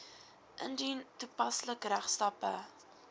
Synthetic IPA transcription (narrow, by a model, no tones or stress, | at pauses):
ʔə̰nditupɐsləkræχstɐpə